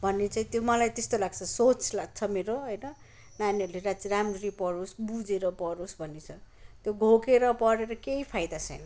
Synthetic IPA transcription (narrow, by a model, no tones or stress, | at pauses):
bʱʌnːet͡saĩt̪jomʌlajt̪est̪olaɡ̚t͡sʰʌsot͡sʰlaɡ̚t͡sʰʌmeɾoɦʌjnʌ | naniʌɾuleɾat͡siɾamrɾipʌɾosbud͡zeɾʌpʌɾosbʱʌnet͡sʰʌ | t̪joɡʱokeɾʌpʌɾeɾʌkeipʰajd̪at͡sʰʌ̰jnʌ